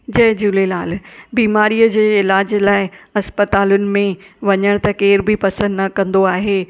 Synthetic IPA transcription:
d͡ʑɐɦɪd͡ʑuːlelaːlbiːmaːɾijəd͡ʑeːɪlaːd͡ʑlaːɪɐspət̪aːlʊnɪ̆mẽʋɐɲəɽ̃t̪ɐkeːɾbʱipɐsə̃nd̪nɐkɐ̃nd̪oaːɦeː

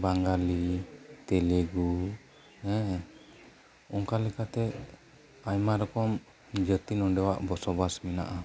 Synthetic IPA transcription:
baŋɡalit̪ɛlɛɡu | ɛ̃ | ɔŋkalɛkat̪ɛ | ajmaɾɔkɔm | d͡ʒət̪ilɔɖɛwaʔbɔsɔbasmina̰ʔa

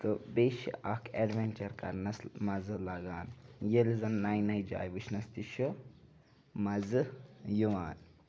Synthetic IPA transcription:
t̪ɨbeːʃḭʔɐkʰeɖʋenʲt͡ʃɐɾkɐ̰ɾnɐsmɐzɨlɐɡaːnjelzɐnːajnɐjd͡ʒa̰ːjʋɨt͡ʃʰnɐst̪iʃo | mɐzɨjuʋaːn

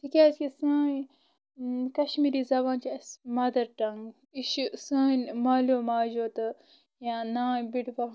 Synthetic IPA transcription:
t̪ʰikʲaːt͡ʃkisãː | kɐʃmiːɾiːzɐbãːnt͡ʃiɐsmɐd̪ɐɾʈɐŋɡ | iʃsaːnmaːloːmaːd͡ʒoːt̪ɨ | jãːnaːjbiʈbɐ

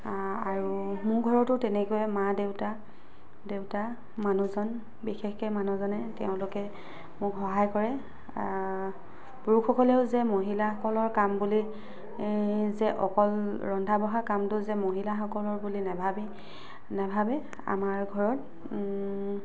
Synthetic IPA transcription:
aɹumʊɹɡʱɔɹɔtʊtɛnɛkɔjɛmadewta | deʊta | manuzɔn | bixexkɛmanuzɔnɛtɛʊ̃lʊkɛ | mʊkxɔɦajkɔɹɛ | b̥uɹuxʰɔkɔlɛʊzɛmoɦilaxɔkɔlɔɹkambuli | zɛʔɔkɔlɹɔndʱabɔɦakamtʊzɛmoɦilaxɔkɔlɔɹbulinɛbʱabi | nɛbʱabɛ | a̰maɹɡʱɔɹɔt̚

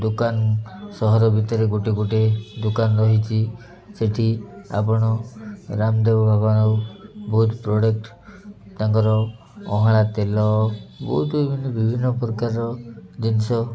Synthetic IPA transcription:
d̪ukansɔɦɔɾɔbʱit̪ɔɾeɡoʈiɡoʈed̪ukanɾɔɦit͡ʃʰi | seʈʰia̰pɔɽ̃ɔɾamd̪ebɔbʱabɔnɔbɔɦut̪pɾɔɽek̚ʈ | t̪aŋkɔɾɔ | ɔ̰ɦaɭ̃at̪elɔbɔɦut̪bibʱinːɔbibʱinːɔpɾɔkaɾɔd̪insɔ

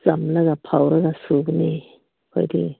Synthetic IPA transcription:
z̥amlaɡapʰawɾaɡasɯɡne | kʰo̰jdḭ

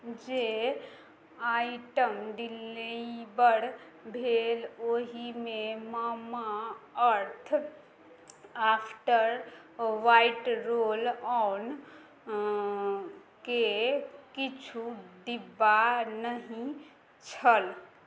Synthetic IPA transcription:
d͡ʒe | aːɪʈəmɖilːeibəɽ | bʱeːloɦimẽmamaəɾt̪ʰ | aːpʰʈəɾ | ʋaɪʈɾoːlɔn | kekit͡ʃʰuɖ̪ibanəɦĩ | t͡ʃʰəl

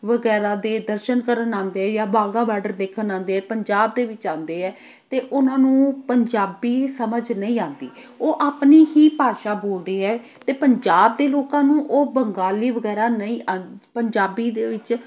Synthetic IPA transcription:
ʋəɡɛːɾaːd̪eːd̪əɾʃənkəɾənãːnd̪eːɛːjaːbaːɡãːbɛːɖəɾd̪eːkʰənãːnd̪eːɛːpəɲd͡ʒaːbd̪eːʋɪt͡ʃãːnd̪eːɦɛː | t̪eːʔʊnãːnũːpəɲd͡ʒaːbiːsəməd͡ʒnəĩːãːnd̪iːoːʔaːpniːɦiːpaːʃaːboːld̪iːɦɛː | t̪eːpəɲd͡ʒaːb̚d̪eːloːkãːnũːʔoːbəŋɡaːliːʋəɡɛːɾaːnəĩːʔãːnpəɲd͡ʒaːbiːd̪eːʋɪt͡ʃ

